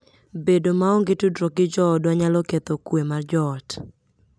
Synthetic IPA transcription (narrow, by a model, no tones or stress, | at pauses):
bedomaɔŋɡɪtudɾɔkɪd͡ʒɔɔdwaɲalɔket̪ɔkwemard͡ʒɔːt